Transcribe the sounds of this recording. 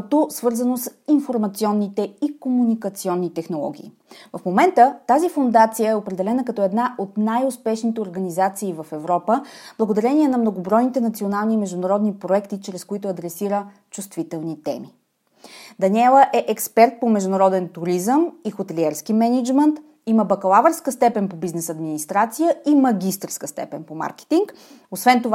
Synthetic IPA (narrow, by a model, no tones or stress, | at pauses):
t̪osvɤɾzɐnosinfoɾmɐt̪siɔnːit̪ɛikomunikət̪siɔnːit̪ɛxnolˠɔ̰ɡ̟ḭː | vəfmomɛnt̪ət̪azifond̪at̪sijəɛopɾɛd̪ɛlɛnəkɐt̪ɔɛd̪naʔot̪najʊspɛʃnit̪ɛoɾɡənizat̪siːvɐfɛvɾɔpəblˠəɡod̪ɐɾɛniɛnɐmnoɡobɾɔjnit̪ɛnɐt̪sionalˠniːmɛʒd̪ʊnɐɾɔd̪nipɾoɛkt̪it͡ʃɾɛskoit̪ʊɐd̪ɾɛsiɾə | t͡ʃust̪vit̪ɛlˠnit̪ɛ̰mi | d̪ɐnʲɛlˠəʔɛʔɛkspɛɾt̪̚pomɛʒd̪ʊnɐɾɔd̪ɛnt̪uɾizəmixot̪ɛliɛɾskimɛnid͡ʒmənt̪ | iməbɐkɐlˠavəɾskəst̪ɛpɛnpobiznɛsɐd̪minist̪ɾat̪sijəimɐɡʲist̪ɾskəst̪ɛ̰pɛnpoma̰ɾkɛ̥t̪iŋk | osvɛnt̪ov